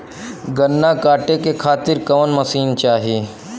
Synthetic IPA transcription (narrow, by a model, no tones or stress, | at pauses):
ɡɐnːakaːʈekekʰaːt̪ɪɾkɐʋənmɐsiːnt͡ʃaːɦeː